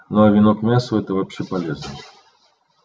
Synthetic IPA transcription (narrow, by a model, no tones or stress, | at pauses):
noɐvʲɪnokmʲasəɛt̪əvɐpɕːepɐlʲeznəsʲ